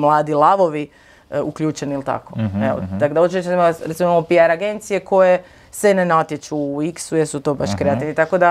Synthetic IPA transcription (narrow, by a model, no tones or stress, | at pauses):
mlˠaːd̪ilˠaʋo̞ʋi | ukʎʲuːt͡ʃeniilt̪a̰koeo̰d̪akod̪aot͡ʃiot͡ʃimaɾesimimamopiaɾaɡe̞nt̪sije̞kʰo̞je̞ | sʋenenat̪jet͡ʃuːiksujesut̪o̞baʃkɾe̞at̪iʋnit̪akod̪a